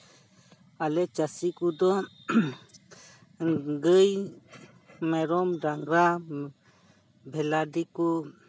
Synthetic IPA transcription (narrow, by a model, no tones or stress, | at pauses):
alɛt͡ʃasikud̪ɔ | ɡəj | mɛɾɔmɖaŋɾa | bʱɛladiku